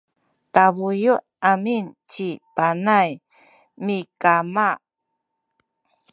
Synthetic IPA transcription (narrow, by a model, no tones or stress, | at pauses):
taβujuʔamint͡ɕipanaj | mikama